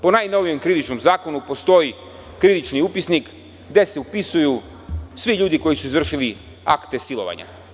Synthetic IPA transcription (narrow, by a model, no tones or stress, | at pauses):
po̞najno̞ʋije̞mkɾiðit͡ʃno̞mzaːko̞nupo̞st̪o̞ji | kɾiʋit͡ʃniupisnik | ɡd̪e̞seupisuju | sʋiʎuːd̪iko̞jisuizvr̩ʃili | a̰kt̪e̞silo̞̰ʋa̰ɲa̰